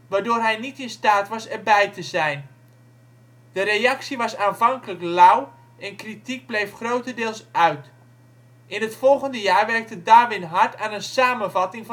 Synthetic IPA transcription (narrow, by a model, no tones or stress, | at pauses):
ʋaːrdoːrɦɛjnitɪnstaːtʋɑsɛrbɛjtʰəzɛjn | d̥əɾejɑksiʋɑsaːnvɑŋkələklaw | ɛnkritik̚blejfχrowtədɪːlˠsœɥt | ʔɪnɦətfɔlˠɣəndəjaːrʋɛrk̚tədaːʋɪnɦartaːnənsaːmənvɑtɪŋv